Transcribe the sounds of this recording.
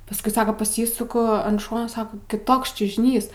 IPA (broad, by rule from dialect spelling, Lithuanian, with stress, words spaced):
pɐsˈkʊɪ ˈsɑːkɐ pɐˈsʲiːsʊkʊ ɐn ˈʃoːnoː ˈsɑːkoː kʲɪˈtoːks t͡ʃʲʊʒʲɪˈnʲiːs